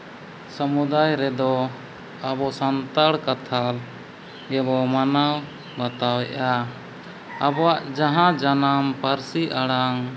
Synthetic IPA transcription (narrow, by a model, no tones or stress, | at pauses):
səmud̪ajɾɛd̪ɔ | abɔsant̪aɽkat̪ʰal | ɡɛbɔmanaw | bat̪awɛʔaː | bɔwaʔd͡ʒaɦãd͡ʒanampaɾsiʔaɽaŋ